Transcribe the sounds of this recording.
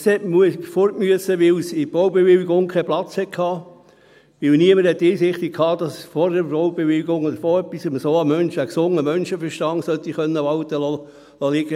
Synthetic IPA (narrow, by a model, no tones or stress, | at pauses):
shɛtmuəfoɾtmyəsəʋɪlsɪb̥owbeʋɪliɡʊŋkʰɛplɑt͡shɛtkʰhɑː | ʋɪlniəməɾhɛt̪ːɪːsɪχt̪ɪkʰɑːd̥ɑsfɔɾdəɾowb̥eʋɪliɡʊŋod̪əɾfoːœpːisɪmsoːɑmœnʃəksʊŋəmœnʃəfəɾʃtɑŋsœt̪ːiχœnːəʋɑlt̪əlɔ | lɔlɪɡə